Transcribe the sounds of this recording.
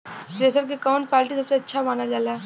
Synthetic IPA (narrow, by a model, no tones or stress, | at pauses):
ɾeːs̬əɾkekaʊ̃ɳʈ̚paːɾʈisɐbseɐtːʃʰamaːnad͡ʒaːlaː